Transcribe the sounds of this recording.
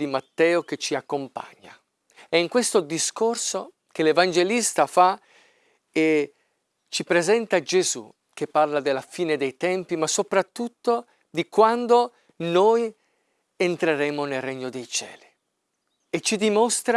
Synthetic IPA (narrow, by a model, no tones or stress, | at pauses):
imat̪ːɛːok̟et͡ʃːiakːompa̰ɲːa̰ | ɛiŋkwest̪od̪iskorso | k̟elevand͡ʒelist̪afa | e | t͡ʃipɾezɛnt̪ad͡ʒezṵ | k̟epːarlad̪elːafiːned̪ejt̪ɛmpimasːopɾat̪ːut̪ːo | d̪ikwand̪o | noj | ent̪ɾeɾɛːmonelreɲːod̪ejt͡ʃɛ̰ːli | et͡ʃːid̪imost̪ɾa